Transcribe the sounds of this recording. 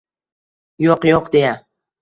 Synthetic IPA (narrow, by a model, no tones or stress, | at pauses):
joqjoqd̪eja